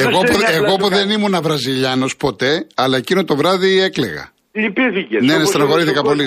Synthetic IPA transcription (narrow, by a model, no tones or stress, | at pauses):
eɣopoeɣopoðe̞nimunɐvɾɐziʎɐno̞spo̞t̪e̞ɐlɐe̞cinot̪o̞vɾɐðie̞kle̞̰ɣɐ̰ | pnenest̪enɐɣo̞ɾiθikɐpo̞li